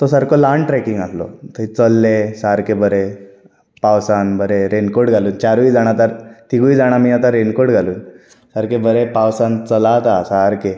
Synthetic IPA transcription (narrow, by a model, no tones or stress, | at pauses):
t̪osaɾkolaɳʈɾɛkiŋɡaslɔ̰t̪əɦit͡səlːesaɾkebəɾe | pawsanbəɾeɾenkoɽɡʱaluːnt͡ɕaɾʋiːd͡zaɽ̃at̪aɾt̪iɡuid͡zaɽ̃amiːat̪̬aɾenkoɽɡʱaluːn | saɾkebəɾepawsant͡səlat̪asaɾke